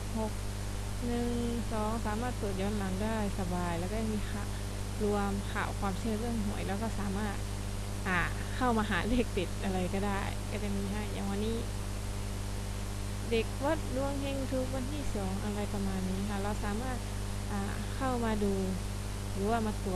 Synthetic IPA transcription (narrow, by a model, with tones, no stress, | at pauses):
ho˧˩k̚ | nɯ˧ŋsɔː˨˦ŋsaː˨˦maː˥˩t̪ːu˨˩ət̪̚jɔː˧˦nla˨˦ŋdaː˥˩jsa˧baː˨˩jlɛː˧˩wkaː˧a˧˩miː˧˨xʰa˧˩ | lu˧əmkʰa̰˧˩wkʰwaː˧˩msʰɯ˧˨əlɯ˥˩əŋɦɔ˨˩˦jlɛː˧˩wkɔː˧˥˩saː˨˦maː˥˩t̪̚ | ʔaː˨˩ | kʰa˥˩wmaː˧ɦaː˨˩˦leː˧˩k̚t̪i˨˩t̪̚ʔa˧ɾa˧jkɔː˧˩daː˥˩jkaː˧˩da˧˩jmiː˧˨ha˧˩ja̰˨˦ŋwa˧nːiː˧˥˨ | de˨˩k̚bɔ˧˥t̪̚du˧əŋhe˧ŋt̪ʰu˧˥k̚wa˧˥nt̪ʰiː˧˥˨sɔː˨˩˦ŋʔa˧ɾa˧jpa˧maː˧nːiː˧˥˨t̪ʰa˧˩la˧˩wsaː˨˦maː˥˩t̪̚ | ʔaː˨˩ | kʰa˥˩wmaː˧duː˧ | lɯː˨˦waː˧˩maː˧˥t̪u˨˩ət̪̚